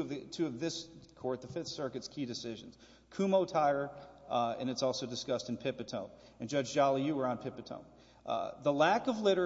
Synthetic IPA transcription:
ʌvðɨtʰʉʌvðɪskʰɔɹt̪̚ðəfɪθsɜ˞kɨtskʰidɨsɪʒɨ̃n̩z̥ | kʰʉmoʊtʰaɪə˞ | ɨ̰̃ñɨtsɔlˠsoʊdɨskʌstn̩pʰɪpɨtʰõʊ̃n | ɨ̃nd͡ʒʌd͡ʒd͡ʒɑlˠijʉwə˞ə̃npʰɪpɨtʰõ̰ʊ̃n | ðəlækʌvlɪɾə˞

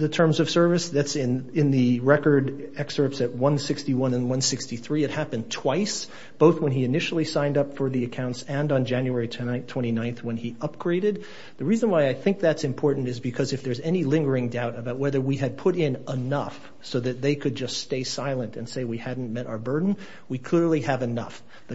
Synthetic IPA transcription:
ðɨtʰɜ̃˞mzʌv̥sɜ˞vɨsðætsɪ̃nɪ̃nðiɹɛkə˞ɾɛksə˞psɨt̚wʌ̃nsɪkstiwʌ̃nə̃nwʌ̃nsɪkstiθɹiɨt̚hæpɨ̃ntʰw̥aɪs | b̥oʊθwə̃niɨnɪʃl̩ˠisãɪ̃ndʌpfə˞ðiɨkʰãʊ̃ntsɨ̃ndn̩d͡ʒæ̃njʉɛɹitʰtʰw̥ɛ̃ɾ̃inãɪ̃nθwə̃niʌp̚ɡ̥ɹeɪɾɨd̪̚ | ðɨɹizə̃nwaɪaɪθɪ̃ŋk̚ðætsɨ̃mpʰɔɹʔn̩tɨzbɨkʰʌzɨfðə˞zɛnilɪ̃ŋɡə˞ɪ̃ŋdaʊɾəbaʊt̚wɛðə˞wiɨd̚pʰʊɾɪ̃nənʌf | soʊðɨt̪̚ðeɪkʰɨd̚d͡ʒʌststeɪsaɪlˠə̃ntɨ̰̃nseɪwihædⁿn̩mɛɾʔa̰ʊə˞bɜ˞dⁿn̩ | wikʰl̥ɪɹlˠiɨvɨnʌ̰f | ðɨ

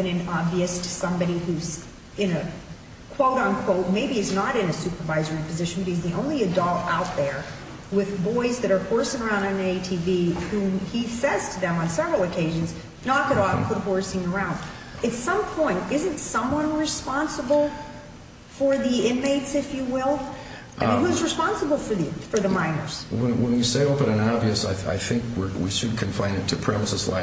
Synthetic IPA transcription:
ɨ̃nɨ̃nɑbviɨstʰɨ̥sʌ̃mbɑɾihuz | ɨ̃nɨ | kʰw̥oʊɾn̩kʰw̥oʊt̚meɪbiɨznəɾɨ̃nɨsʉpə˞vaɪzə˞ipɨzɪʃn̩bʌɾ̚hizðiʔõʊ̃nliɨdɔlˠaʊt̪̚ðə˞ | wɪðbɔɪzðɨɾə˞hɔɹsɪ̃ŋə˞ãʊ̃ndɨ̃neɪtʰivihũmisɛz̥tʰɨðɨ̃mə̃nsɛvɹl̩ˠɨkʰeɪʒɨ̃nz | nɑkɨɾɔfpʰʊɾhɔɹsɪ̃ŋə˞ãʊ̃nd | ɨtsʌ̃mpʰɔ̃ɪ̃ntɪzɨ̃ntsʌ̃mwʌ̃nɹɨspɑ̃nsəbl̩ˠ | fə˞ðiɪ̃nmeɪtsɨfjɨwɪlˠ | ʔhuɨzɹɨspɑ̃nsəbl̩ˠfə˞ðifə˞ðɨmãɪ̃nə̰˞z̥wə̃nwə̃njɨseɪoʊpɨ̃nɨ̃nɑbviɨsaɪa̰ɪθɪ̃ŋkwɪ̰ɹwḭʃɨd̚kʰɨ̃ɱfãɪ̃nɨtʰɨpʰɹ̥ɛməsəzla̰ɪ

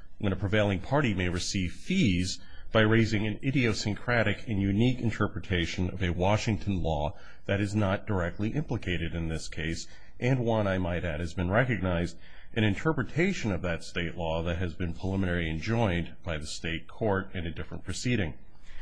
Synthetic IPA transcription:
wʔə̃ñɨpʰɹ̥ɨveɪlˠɪ̃ŋpʰɑɹɾimeɪɹɨsiv̥fiz | b̥aɪɹeɪzɪ̃ŋɨ̃nɪɾioʊsɨ̃nkʰɹ̥æɾɨkʰɨ̃njʉnikɨ̃ntʰɜ˞pɹɨtʰeɪʃɨ̃nʌ̰vɨwɑʃɪ̃ŋtʰɨ̃nlɔ | ðɨɾɨznət̚d̥ə˞ɛk̚tˡliʔɪ̃mpləkʰeɪɾɨɾɨ̃nðɪskʰeɪs | ʔɨ̃nwʌ̃naɪmaɪɾɨɾ̚hɨzbɨ̃nɹɛkɨɡ̚naɪzd | ʔɨ̃ñɨ̃ntʰɜ˞pɹɨtʰeɪʃɨ̃nʌvðɨtsteɪʔˡlɔðɨt̚ɦɨzbɨ̃npʰɹ̥əlɪ̃mɨ̃nɛɹlˠiɨ̃nd͡ʒɔ̃ɪ̃nb̥aɪðɨsteɪt̚kʰɔɹɾɨ̃nɨdɪfɹə̰̃npʰɹ̥ɨsiɾɪ̃ŋ

